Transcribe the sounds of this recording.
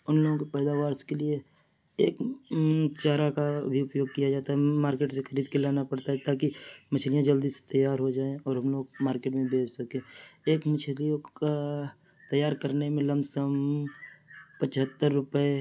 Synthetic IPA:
ʊnloːɡõkepɛːd̪aːʋaːɾskelie | eːk | t͡ʃaːɾakabʱiʊpjoːɡkijad͡ʒaːt̪aɦɛmaːɾkeːʈsexɐɾiːd̪̚kelaːnapɐɽt̪aɦɛt̪aːkimɐt͡ʃʰlijãd͡ʒəld̪isse̥t̪ɐjaːɾɦod͡ʒaːẽɔːɾɦɐmloːɡmaːɾkeːʈmẽbeːd͡ʒsɐkẽːeːkmɐt͡ʃʰlijõkat̪ɐjaːɾkəɾnemẽlɐmsəm | pət͡ʃɦət̪ːəɾːʊpəe

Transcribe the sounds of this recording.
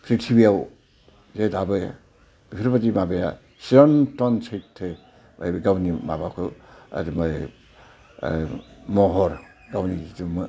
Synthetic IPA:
pʰɾitʰibijaw | zedabɯja̰ | b̥ikʰɾbadimabeja | siɾɔntɔnsʰajtʰːe | ba̰jɡawnima̰bakʰɯa̰dimaj | mɔɦɔɾ | ɡawniizumɯ

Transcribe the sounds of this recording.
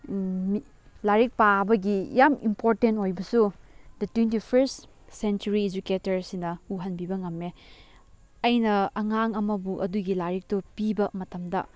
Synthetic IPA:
mi | laɾik̚pabɐɡijamḭmpʰoɾtentojbɐsudɐtwentipʰeɾs | sent͡ʃuɾied͡ʒuketɐɾsinɐuɦɐnbibɐŋɐmːe | ɐjnɐɐŋaŋɐmɐbuʔɐduɡilaɾik̚tupibɐmɐtɐmdɐ̰

